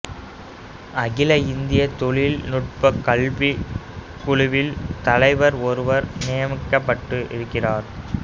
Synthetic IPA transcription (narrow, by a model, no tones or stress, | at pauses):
ɐɣɪlɐɪnd̪ɪjɐt̪ɔɭɪlnʊʈ̚pɐkːɐɭʋi | kʊɻʊʋɪlt̪ɐlɐɪʋɐɾɔɾɯʋɐɾnɪjɐmɪkːɐpːɐʈːɯʔɪ̰ɾɯkːɪraːɾ